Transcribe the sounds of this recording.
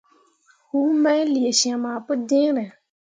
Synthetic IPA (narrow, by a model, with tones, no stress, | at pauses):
hu˦mã˦jli˨e˨ʃã˨mã˨pʊ˦dɪ̃˦ɾɛ̃˨